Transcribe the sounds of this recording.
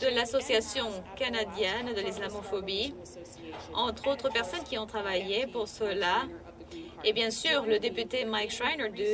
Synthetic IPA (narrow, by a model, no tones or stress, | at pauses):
d̪̥əlasɔsjasjɔ̃kanad̪jɛnd̪əlislamɔfɔbi | ɑ̃t̪χot̪χəpɛʁsɔnkʲiɔ̃t̪χavajepuʁsəla | ebjɛ̃syʁləd̪epyt̪emajkʃʁajnəd̪